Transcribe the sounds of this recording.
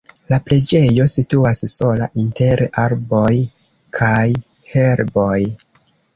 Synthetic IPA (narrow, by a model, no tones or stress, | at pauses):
lapɾe̞d͡ʒe̞jo̞situasso̞la̰ʔinte̞ɾaɾbo̞j | kʰaj | he̞ɾbo̞j